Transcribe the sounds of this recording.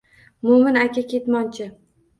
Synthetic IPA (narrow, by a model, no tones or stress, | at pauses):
mʊmɪnakʲʰakʲʰe̞t̪mɒnt͡ʃʰɪ